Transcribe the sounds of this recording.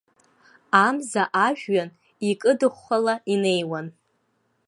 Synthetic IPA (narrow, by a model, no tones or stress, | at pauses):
amzaʔaʒᶣɥan | ikʼɨdɨχʷːalaine̞jwan